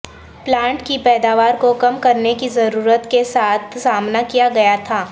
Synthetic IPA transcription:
plãːɳʈkipɛːd̪aːʋaːɾkokɐmkɐɾnekizɐɾuːɾət̪kesaːt̪ʰsaːmnakijaɡɐjat̪ʰaː

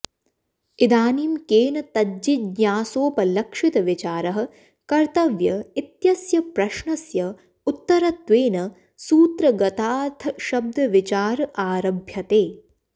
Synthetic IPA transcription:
id̪aːnimkeːnɐt̪ɐd͡ʒidɲaːsoːpɐlɐkʂit̪ɐʋit͡ʃaːɾɐɦɐ̆ | kɐɾt̪ɐʋjɐit̪jɐsjɐpɾɐʃɳɐsjɐ | ut̪ːɐɾɐt̪ʋeːnɐ | suːt̪ɾɐɡɐt̪aːt̪ʰɐʃɐb̚d̪ʱɐʋit͡ʃaːɾɐʔaːɾɐbʱjɐt̪eː

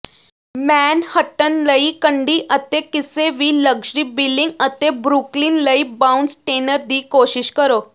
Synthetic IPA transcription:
mænhəʈːənləikəɳɖiːʔət̪ekiseʋiːləɡʂɾiːbilːiŋɡət̪ebɾukliːnləibaunɖsʈenəɾd̪iːkoɕiɕkəɾo

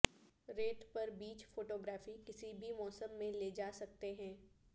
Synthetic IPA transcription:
ɾeːʈ̪pɐɾbiːt͡ʃfoːʈoːɡɾaːfikɪsibʱimɔːsə̃mːẽled͡ʒaːsɐk̚t̪eɦɛ̃ː

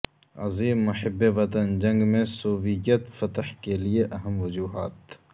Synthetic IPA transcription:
ɐ̰ziːmːʊħɪbːeʋɐt̪ənd͡ʒɐ̃ŋɡmẽsoːʋɪjət̪fɐt̪hkelieʔɐɦəmʋɐd͡ʒuːɦa̰ːt̪

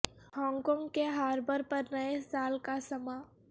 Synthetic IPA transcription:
hɔ̃ːŋɡkɔ̃ːŋɡkeɦaːɾbəɾpɐɾnɐesaːlkasɐmaː

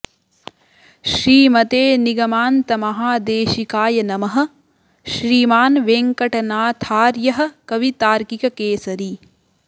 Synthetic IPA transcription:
ʃɾiːmɐt̪eːniɡɐmaːnt̪ɐmɐɦaːd̪eːʃikaːjɐnɐmɐɦɐ̆ | ʃɾiːmaːnʋeːŋkɐʈɐnaːt̪ʰaːɾjɐɦɐ̆kɐʋit̪aːɾkikɐkeːsɐɾi

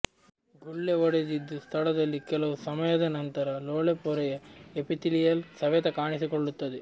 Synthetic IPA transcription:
ɡuɭːeɔɽed̪id̪ːust̪ʰɐɭɐd̪ɐlːikɛlɐʋusɐmɐjɐd̪ɐnɐnt̪ɐɾɐloːɭepɔɾɐjɐepit̪ilijɐlsɐʋɛt̪ɐkaːɳisikoɭːut̪ːɐd̪e

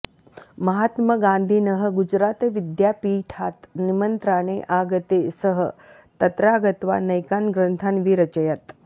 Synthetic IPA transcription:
məɦaːt̪məɡãnd̪ʱiːnəɦə̆ɡud͡ʒɾaːt̪eʋid̪japiːʈʰaːt̪nimənt̪ɾaːñeʔaɡət̪esəɦə | t̪ɐt̪ɾaːɡət̪ʋa̰nɐjkaːnɡɾənt̪ʰanʋiɾɐt͡ʃəjat̪

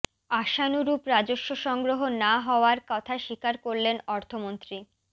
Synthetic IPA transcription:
aʃanuɾupɾad͡ʑoʃːoʃɔŋɡɾoɦonaɦɔoaɾkɔt̪ʰaʃikaɾkoɾlenɔɾt̪ʰomont̪ɾi

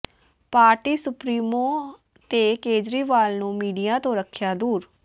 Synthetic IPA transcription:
paːɾʈiːsʊpɾiːmõː | t̪eːkeːd͡ʒɾiːʋaːlnũːmiːɖijãːt̪õːɾəkʰːjaːd̪uːɾ

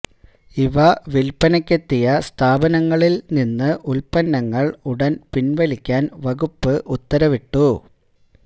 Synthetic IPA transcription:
iʋɐʋilpɐnɐkʲːet̪ːijɐst̪ʰaːbɐnɐŋːɐɭilninːɨʔulpɐnːɐŋːɐɭuɽɐnpinʋɐlikʲːaːnʋɐɣupːɨʔut̪ːɐɾɐʋiʈːu

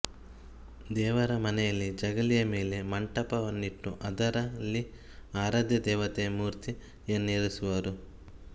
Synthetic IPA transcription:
d̪ɛːʋɐɾɐmɐnɛjɐlːid͡ʒɐɡɐlijɐmeːle̞mɐɳʈɐpɐɐnːiʈːuʔɐd̪ɐɾɐlːi | aːɾaːd̪jɐd̪ɛːʋɐt̪emuːɾt̪i | enːeːɾisuʋɐɾu

